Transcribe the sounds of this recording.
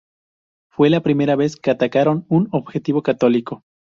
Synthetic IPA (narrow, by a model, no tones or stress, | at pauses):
fwe̞lapɾime̞ɾaβe̞skeat̪akaɾo̞nunoβxe̞t̪iβokat̪o̞liko̞